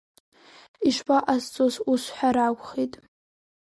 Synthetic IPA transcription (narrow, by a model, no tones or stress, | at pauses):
iʂpʰʼaʔast͡sʼosusʷħʷᶣaɾakʷʼχitʼ